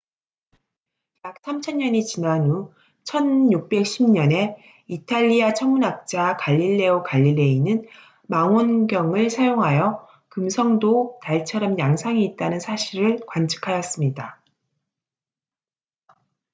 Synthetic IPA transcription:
jak̚s͈ʰamt͡ɕʰʌɲːʌɲit͡ɕinanu | t͡ɕʰʌnjuk̚p͈e̞k̚ɕ͈ʰimɲʌne̞ | itʰaʎːiat͡ɕʰʌŋmunak̚t͡ɕ͈akaʎːiɭːe̞okaʎːilːe̞inɯn | maŋonɡjʌŋɯɭsʰajoŋɦajʌ | kɯmsʰʌŋdotaɭt͡ɕʰʌɾʌmjaŋsʰaŋiːt̚t͈anɯnsʰaɕʰiɾɯɭkwant͡ɕʰɯ̥kʰajʌs͈ɯmɲida

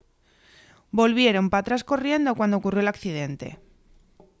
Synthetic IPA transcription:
bo̞lβ̞je̞ɾo̞mpat̪ɾasko̞rje̞nd̪o̞kwand̪ookurjoelakθið̞e̞nt̪e̞̰

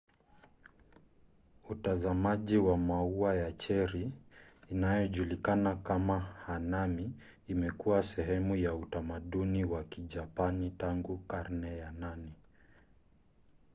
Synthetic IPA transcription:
utazamaʄiwamauajat͡ʃɛɾiː | najɔʄulikanakamahanamiː | mɛkuwasɛɦɛmujautamaɗuniwakiʄapanitaŋɡukaɾnɛjanani

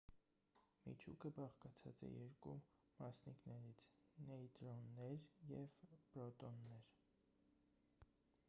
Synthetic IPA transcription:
mḭt͡ʃʰṵkəbɑχkɑt͡sʰɑ̰t͡sɛ̰jɛɾku | mɑsniknɛɾit͡sʰnɛit̪ɾɔnːɛɾjɛvpɾɔt̪ɔnːɛɾ

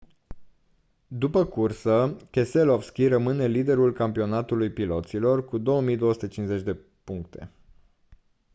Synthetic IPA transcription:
d̪upəkursəkeselofskʲirəmɨne̞lid̪e̞ɾulkampio̞nat̪ulujpilo̞t̪silo̞rkud̪o̞wəmijd̪o̞wəsu̥t̪ət͡ʃinze̞t͡ʃʲd̪e̞ | puŋk̚t̪e̞̰

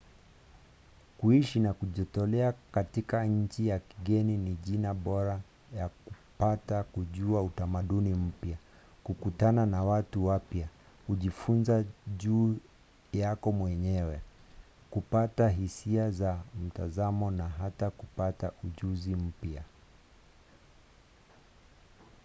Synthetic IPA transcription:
kuiʃinakuʄɔtɔlɛakatikaɲ̩t͡ʃijakiɠɛniniʄinaɓɔɾa | jakupatakuʄuautamaɗunim̩pja | kukutananawatuwapja | kuʄifunzaʄuː | jakɔmwɛɲɛwɛ | kupataɦisiazam̩tazamɔnaɦatakupataʔuʄuzim̩pja

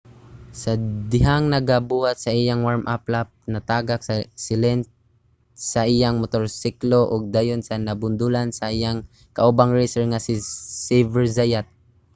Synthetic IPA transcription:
sɐd̪ɪɦaŋnɐɡabuhat̪̚sɐʔɪjaŋwaɹmʔaplap̚nɐt̪aːɡaksasɪlɛn | sɐʔɪjaŋmot̪oɾsikloʔʊɡ̚d̪aːjonsɐnɐbʊnd̪ulansɐʔɪjaŋ | kɐʔubaŋɹɛsɛɹŋasɪsɪvɛɹzajat̪̚

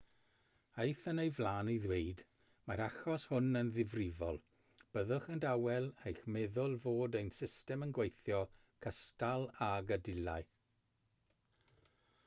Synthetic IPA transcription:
ejθənejvlˠaːniðweɨd | maɾaxɔshʊnənðɪvrɪvɔ̰lˠ | b̥əðʊχəndawɛlˠejxmɛðʊlˠvoːdejnsɪstɛmənɡwejθjɔ | kʰəstalˠaɡədɪlˠaɨ

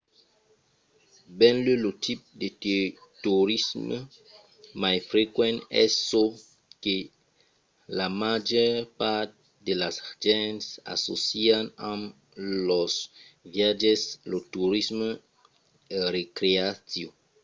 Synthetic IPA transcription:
bɛ̃nlølot̪ʰip̚dettuɾism | majfɾekwɛ̃nɛ̰sːo | ke | lamad͡ʒɛɾpat̪̚ | delasʒɛ̃nsa̰so̰sianãm | lɔsvjad͡ʒɛslotuɾism | eɾekɾeasjo

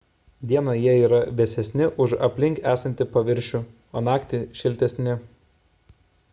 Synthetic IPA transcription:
d̪ʲiɛnɐjiɛiːɾɐʋʲɛsʲɛsʲnʲɪʔʊʃɐpʲlʲɪŋʲkæːsɐnʲt̪ʲɪpɐʋʲɪɾʲʃʲu | oːnɑːkt̪ʲɪʃʲɪlʲt̪ʲɛsʲnʲɪ

